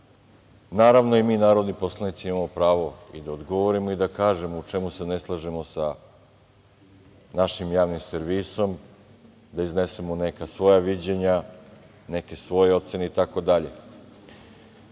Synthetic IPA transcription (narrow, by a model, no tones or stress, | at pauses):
naːɾaʋno̞imiːnaːɾod̪nipo̞slanit̪siimamopɾaːʋo̞id̪aod̪ɡo̞ʋoɾimoid̪akaːʒe̞mout͡ʂemuse̞ne̞slˠaʒemo̞sa | naʃimjaːʋnimseɾʋiːso̞m | d̪aizne̞semone̞kasʋo̞jaʋid͡ʑe̞ɲa | ne̞ke̞sʋo̞jeo̞t̪se̞ne̞it̪ako̞d̪aʎe̞̰